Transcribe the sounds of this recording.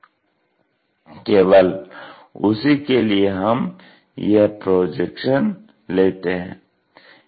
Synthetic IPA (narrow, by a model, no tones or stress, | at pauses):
keːʋəl | ʊsikelieɦɐm | jepɾoːd͡ʒekʃən | leːt̪eɦɛ̰̃ː